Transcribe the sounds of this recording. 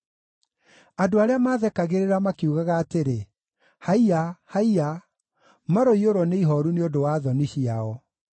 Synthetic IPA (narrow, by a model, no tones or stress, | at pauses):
adoaɾeamaːðɛkaɣeɾeɾamakiuɣaɣaːteɾe | haiahaia | maɾoioɾɔneiɦɔɾuneodowaːðɔniɕiaɔ